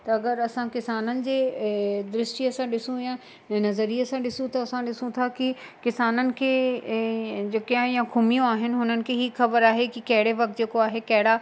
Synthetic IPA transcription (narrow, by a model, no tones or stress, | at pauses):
t̪ɐɐɡəɾɐsãkɪsaːnənɪ̆d͡ʑeːd̪ɾɪsʈiɐsãɗɪsũjã | nɐzəɾiəsãɗɪsũt̪ɐːsãɗɪsũt̪ʰakikɪsaːnənɪ̆kʰeː | d͡ʑekɦãjãkʰʊmijõaːɦɪnɪ̆ɦʊnənɪ̆kʰeɦiːxɐbəɾaːɦekikɐɦɪɽeʋɐk̚t̪̚d͡ʑeːkoaːɦekɐɦɪɽa